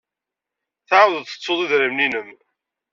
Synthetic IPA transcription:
θaʕwðəðθə̥t͡sˤːoðˤiðɾəmninəm

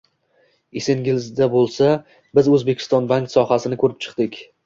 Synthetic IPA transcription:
eseŋɡʲɪlzd̪abolˠsa | bɪzɵzbe̞kʲʰɪ̥st̪ɒnbaŋksɒhasɪnɪkʰɵɾɪpt͡ʃʰɨ̥qd̪ɪkʲ

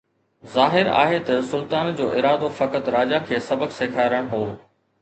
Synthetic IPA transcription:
zaːɦɪɾa̰ːɦet̪ɐsʊlt̪aːnd͡ʑoːʔɪɾaːd̪ofɐkət̪ɾaːd͡ʑakʰeːsɐbəkseːkʰaːɾəɽ̃ɦoː

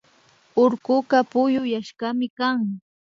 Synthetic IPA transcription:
ʊɾkʊɢapʊjʊjaʃɢamɪkaŋ

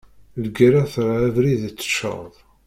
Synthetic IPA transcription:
ləɡɾaθʁævɾiðt͡sːə̥ʃə̰ðˤ

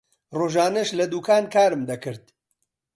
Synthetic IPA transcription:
roːʒaːnɐʃlɐd̪uːkʰaːnkʰaːɾɨmd̪ɐkɨɾt̪̚

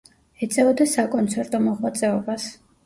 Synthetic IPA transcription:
ɛt̪sʼɛɔd̪ɛsakʼɔnt̪sʰɛɾt̪ʼɔmɔʁwat̪sʼɛɔbas

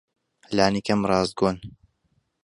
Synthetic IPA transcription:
laːnikɐmrˤɑːzd̪̚ɡoːn

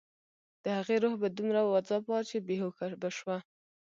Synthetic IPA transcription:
d̪̥əhaɣeɾohbad̪umɾawad͡zɑpwɑt͡ʃebeɦokabaʃwa

